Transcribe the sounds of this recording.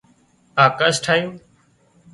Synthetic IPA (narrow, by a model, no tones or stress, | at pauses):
aːkasʈʰaːjiː